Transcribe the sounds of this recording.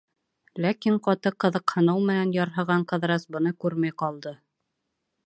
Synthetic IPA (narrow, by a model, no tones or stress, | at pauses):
lækiɴqɑt̪ɤqɤ̆ðɤqhɤ̆nɤwmɘ̆nænjɑɾɦɤ̆ʁɑɴqɤ̆ðɾɑsbɤ̆nɤkʉɾmæjqɑlˠd̪ɤ